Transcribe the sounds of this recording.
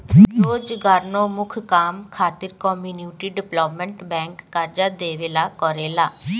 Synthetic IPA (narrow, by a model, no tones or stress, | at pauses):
ɾoːd͡ʒɡaːɾnõːmʊkʰkaːmkʰaːt̪ɪɾkɔːmjuːnuːʈiːɖɪplɔːpmə̃ɳʈbɛ̃ːŋkːaɾd͡ʒaːd̪eːʋeːlaːkɔːɾeːlaː